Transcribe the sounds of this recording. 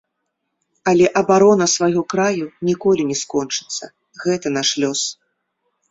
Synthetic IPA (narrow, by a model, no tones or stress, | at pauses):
ɐlʲɛʔɐbaɾɔnɐsvaɣɔkɾajunʲikɔlʲinʲɛskɔnt͡ʂɨ̥t̪sːɐ | ɣɛt̪ɐnaʂlʲɔs